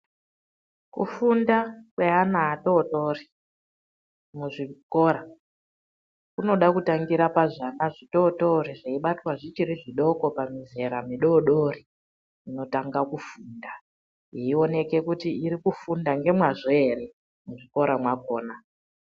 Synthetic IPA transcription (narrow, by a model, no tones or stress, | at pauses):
kṵfundakweanaːto̞tori | muʐiko̞ɾa | kuno̞ɗakutaŋɡiɾapaʐanaʐito̞to̞ɾiʐeiɓatwaʐit͡ʃiɾiʐiɗo̞ko̞pamize̞ɾamiɗo̞ɗori | ino̞taŋɡakufuːnda | iio̞ne̞ke̞kutiiɾikufundaŋɡe̞mwaʐoeɾe̞ | muʐiko̞ɾamwako̞ːna